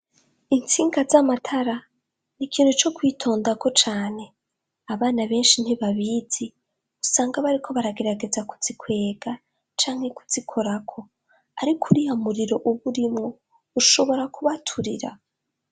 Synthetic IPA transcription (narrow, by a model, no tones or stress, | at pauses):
int͡siːŋɡazamatʰaɾa | nikiːn̥hut͡ʃo̞kwiːtʰo̞ːndako̞t͡ʃaːne̞ | aβaːnaβe̞ːnʃin̥hiβaβiːzi | usaːŋɡaβaɾikʰo̞βaɾaɡe̞ɾaɡe̞zaku̥z̥ikwe̞ːɡa | t͡ʃaːŋhe̞ku̥zikʰo̞ɾakʰo̞ | aɾikʰuɾijamuɾiɾo̞ʔuβuɾimŋo | uʃo̞βo̞ɾakuβatʰuɾiɾa